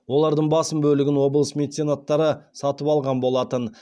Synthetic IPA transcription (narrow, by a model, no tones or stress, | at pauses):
wo̞lˠɑɾd̪əɴbɑsəmbɵlɪɡʲɪnwo̞blˠəsmʲe̞d̪it̪sinat̪ːɑɾəsɑt̪əpɑlˠʁɑnbo̞lˠɑt̪ən